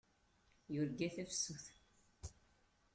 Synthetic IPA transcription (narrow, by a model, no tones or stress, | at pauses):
jʊɾɡæθæfsːuθ